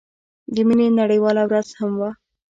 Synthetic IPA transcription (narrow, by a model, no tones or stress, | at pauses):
d̪əminenaɽəjwɑlawɾaz̥hamwa